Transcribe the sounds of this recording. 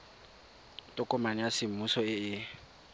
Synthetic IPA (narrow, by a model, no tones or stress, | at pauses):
tʼʊkʼɔmanɪjasɪm̩musɔɪɪ